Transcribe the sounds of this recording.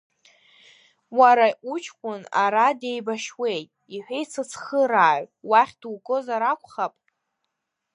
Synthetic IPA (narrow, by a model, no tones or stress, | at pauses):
waɾaʔut͡ʃʰkʷʼʊnaɾade̞jbaʃwe̞jtʼiħʷᶣejt͡sʰɨt͡sʰχəɾaːʕʷwaχʲdukʼozaɾakʷʰʼχapʼ